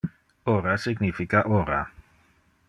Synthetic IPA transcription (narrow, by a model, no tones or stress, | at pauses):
oɾasiɡnifikaʔoɾa